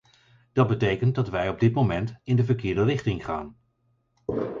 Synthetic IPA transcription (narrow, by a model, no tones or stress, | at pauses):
d̥ɑd̚bətejkənt̚dɑtʋɛjɔb̚dɪtmomɛntɪndəvəɹkɪːɹdərɪχtɪŋχaːn